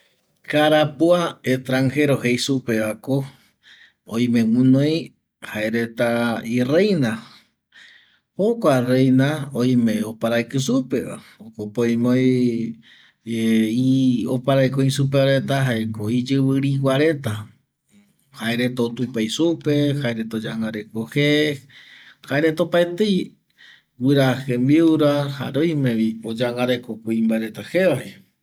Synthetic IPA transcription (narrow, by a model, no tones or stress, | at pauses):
kaɾapuaet̪ɾaŋhe̞ɾohejsupeako | oj̃mẽmũnoj | haeɾe̞t̪airejna | hokʷarejnaoj̃mẽopaɾajkɨsupea̰okopoj̃moj | iopaɾajkoĩsup̬eaɾet̪aɦaekoid͡ʒɨβɨɾiwʷaɾe̞t̪a | haeɾet̪ot̪upajsupehaeɾet̪od͡ʒaŋɡaɾekohe | haeɾet̪opaet̪ej | wɨɾahembiuɾaha̰ɾoj̃mẽβiod͡ʒaŋɡaɾekokʷiimbaeɾet̪aheβae